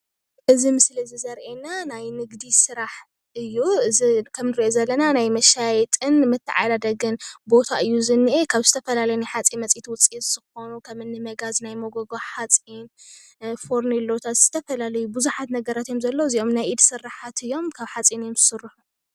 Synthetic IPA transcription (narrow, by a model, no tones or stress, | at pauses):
ʔɨzimɨslizizɐɾʔenanajnɨɡd̪isɨɾaħ | ɨjːuɨzikʰɐmnɨɾiʔo̞zɐlːɐnanajmɐʃajɛt̪ʼɨnmɨt̪ʰːɨʕa̰jlad̪ɐɡɨnbo̞t̪ʰaʔɨjːuzɨnːiʔekʰaβzɨt̪ʰɐfɐlalɐjunajħat͡sʼimɐt͡sʼit̪wʊt͡sʼitz̥ɨxo̞nukʰɐmɨnːɨmɐɡaznajmoɡoɡoħat͡sʼin | fo̞ɾnilːot̪ʰazɨz̥ɨt̪ʰɐfɐlalɐjubɨzuħat̪nɐɡɐɾat̪jo̞mzɐlːoziʔo̞mnajʔid̪sɨraħat̪ɨjːo̞mkʰaβħat͡sʼinjomzɨsɨrːɨħu